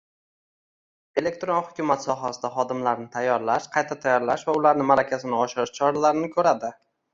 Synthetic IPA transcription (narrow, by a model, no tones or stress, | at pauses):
e̞le̞k̚t̪ɾonhʊkʲʊmat̪sɒɦasɪd̪aχɒd̪ɪmlaɾnɪt̪ʰajːɒɾlaʃqʰɑjt̪ʰat̪ʰajːɒɾlaʃvaʊlaɾnɪmaɾakʲasɪnɪɒʃɪɾɪʃt͡ʃʰɒɾalaɾɪnɪkʲʰɵɾad̪ɪ